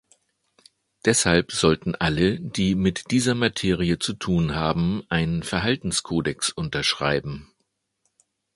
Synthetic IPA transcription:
d̥ɛshalpz̥ɔltn̩ʔaləd̥iːmɪtd̥iːzɐmatʰeːʁ̞iət͡sutʰuːnɦaːbm̩ʔaɪnənfɛɐɦaltn̩skʰoːdɛksʔʊntɐʃʁ̥aɪbm̩

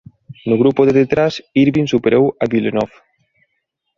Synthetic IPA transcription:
nuɣɾupoðeðet̪ɾasiɾβinsupeɾewaβilenɔf

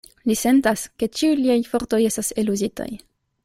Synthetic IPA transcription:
lise̞ntaske̞t͡ʃiujliajfo̞ɾto̞je̞stase̞luzita̰j

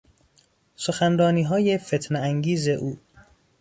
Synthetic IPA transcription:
so̞xænɾɒːniːɦɒːjefet̪ʰneæŋɡiːze̞ʔuː

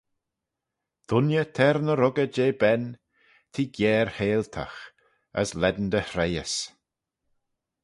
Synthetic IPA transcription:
d̪̥ʊnjət̪ʰɛɾnəɾʊɡəd͡ʒeːbɛn | t̪ʰiːɡjɛːɾheːlt̪ʰa̰x | ə̰slɛd̪n̩d̪əhɾejəs

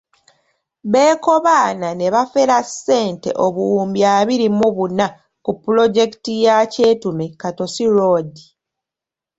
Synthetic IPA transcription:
βe̞ːko̞βaːnane̞βafeɾasːe̞ːnte̞̰ʔo̞βuuːmbjaːβiɾimuβuna | kupːulo̞ɟe̞ki̥tijaːceːtume̞kato̞siɾoːdi

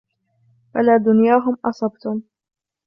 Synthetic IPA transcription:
falaːd̪ʊnjaːɦʊmʔɑsˤɑbt̪ʊm

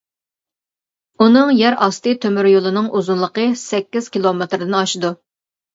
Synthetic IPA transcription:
unɨŋjɛɾɑst̪ɨt̪ʰømyɾjolˠɨnɨŋʔuzunlˠəqəsɛkʲːiz̥kʲilˠomet̪ɾɨd̪ɪnɑʃɪd̪u

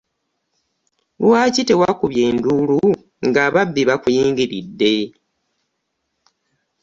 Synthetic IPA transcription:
lwaːcite̞wakuβjeːndulu | ŋɡaːβabːiβakujiːŋɡiɾidːe̞

